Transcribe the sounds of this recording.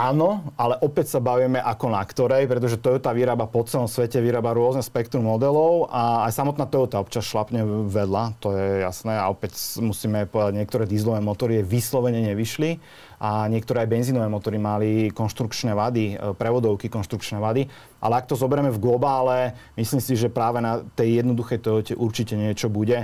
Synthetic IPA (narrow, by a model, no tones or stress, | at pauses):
aːnɔalɛʔɔpɛcsabaʋiɛmɛʔakɔnakt̪ɔɾɛjpɾɛt̪̬ɔʒɛt̪ɔut̪aʋiɾaːbapɔt͡sɛlɔmsʋɛcɛʋiɾaːbaɾʊɔznɛspɛkt̪ɾumːɔd̪ɛlɔʊaːjsamɔt̪naːt̪ɔut̪aɔpt͡ʃasʃlapɲɛʋɛd̪lat̪ɔjɛja̰snɛːa̰ɔpɛcmusiːmɛpɔd̪aɟɲɪɛkt̪ɔɾɛːd̪izlɔʋɛːmɔt̪ɔɾiaʋislɔʋɛɲɛɲɛʋiʃli | ʔaɲɪɛk̚t̪ɔɾɛːajbɛnzinɔʋɛːmɔt̪ɔɾimalikɔnʃt̪ɾukt͡ʃnɛːʋad̪ipɾɛʋɔd̪ɔʊkikɔnʃt̪ɾukt͡ʃnɛʋad̪i | ʔa̰lɛak̚t̪ɔzɔbɛɾɛmɛvɡlɔbaːlɛmisliːmsiʒɛpɾaːʋɛnat̪ɛjːjɛd̪nɔd̪uxɛjt̪ɛɔcɛʔuɾt͡ʃicɛɲɪɛt͡ʃɔbuɟɛ